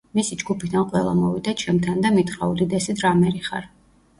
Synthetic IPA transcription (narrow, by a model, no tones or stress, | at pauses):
misid͡ʒɡupʰid̪anqʼwɛlˠa̰mɔvid̪at͡ʃʰɛmt̪ʰand̪amit̪χʼɾaud̪id̪ɛsid̪ɾamɛɾiχa̰ɾ